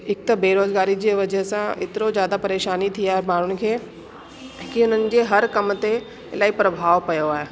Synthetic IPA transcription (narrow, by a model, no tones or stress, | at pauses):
ɪk̚t̪beːɾoːzɡaːɾid͡ʑeːʋɐd͡ʑəɦsãɪ̰t̪ɪɾozjaːd̪apɐɾeːʃaːnit̪ʰiaːɦemaːɽ̤ʊnɪ̆kʰeː | kiʊnənɪ̆d͡ʑeːɦɐɾkɐmt̪e | laːipɾɐbʱaːʋpɐjoaːɦeː